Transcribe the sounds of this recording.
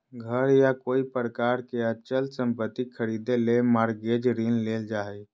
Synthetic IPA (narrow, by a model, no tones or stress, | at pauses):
ɡʱəɾjakoːipɾəkaːɾkeət͡ʃəlsə̃mpət̪ːikʰəɾid̪elemaɾɡed͡ʒɾinleːld͡ʒaːɛ